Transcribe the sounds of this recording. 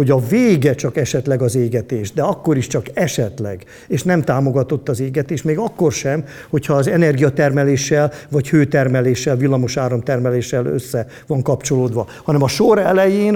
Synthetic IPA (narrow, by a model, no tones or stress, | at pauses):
ho̞ɟɒveːɡɛt͡ʃɒkɛʃɛt̪lɛɡɒzeːɡɛt̪eːʃd̪ɛɒkːo̞ɾiʃt͡ʃɒkɛʃɛt̪lɛ̰ɡ | eːʃnɛmt̪aːmo̞ɡɒt̪o̞t̪ːɒzeːɡɛt̪eːʃmeːɡɒkːo̞rʃɛm | ho̞cʰhɒːzɛnɛrɡijɒt̪ɛrmɛleːʃːɛlvɒchøːt̪ɛrmɛleːʃːɛlvilːɒmoʃaːɾɒmt̪ɛrmɛleːʃːɛlø̰sːɛ | vɒŋkɒpt͡ʃo̞loːd̪ʋɒ | hɒnɛmɒʃoɾɛlɛjeːn